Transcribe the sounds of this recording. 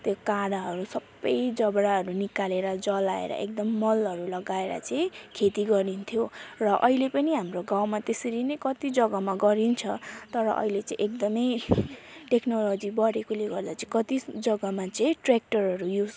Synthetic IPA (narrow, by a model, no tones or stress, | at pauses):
t̪jokaɽaɦʌɾusʌbːʌjd͡zʌbɽaɦʌɾunikaleɾʌd͡zʌlaḛɾʌ̰ʔek̚d̪ʌmːʌlɦʌɾulʌɡaeɾʌ̰t͡sʌĩkʰet̪iɡʌɾint̪ʰjorʌʔʌɦilepʌniɦamroɡãwmat̪eseɾinʌjkʌt̪id͡zʌɡamaɡʌɾint͡sʰʌt̪ʌɾʌʔʌ̰ɦilet͡sʌ̃ḭ̃ʔekd̪ʌmʌj | ʈeknolod͡zibʌɾekoleɡʌrd̪at͡sʌĩkʌt̪id͡zʌɡʌmat͡sʌĩʈrek̚ʈʌrɦʌɾujud͡z